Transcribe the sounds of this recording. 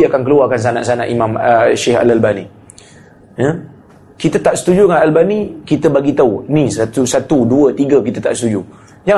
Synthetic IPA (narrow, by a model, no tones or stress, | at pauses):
iakankəluakans̬ana̰ʔsanãʔimãməʃeha̰lalbanḭ | jə | kit̪ət̪aʔsə̥t̪ud͡ʒuəŋanalbanikit̪əbaɡit̪aunĩsat̪usat̪uduət̪iɡəkit̪ət̪a̰ʔsət̪ud͡ʒu | d͡ʒa